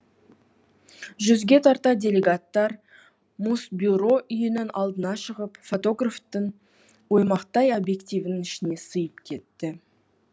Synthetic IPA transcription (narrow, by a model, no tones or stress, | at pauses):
ʒʏzɡʲe̞t̪ʰɑɾt̪ɑdʲe̞lʲe̞ɡat̪ːɑɾ | musbʲjuɾo̞ʔʏjɪnɪnʔɑlˠd̪ənɑʃəʁəpfo̞t̪o̞ɡraft̪əɴ | wo̞jmɑqt̪ɑjobje̞kt̪ʲijvnəŋɪʃɪne̞səjəpkʲʰe̞t̪ːɪ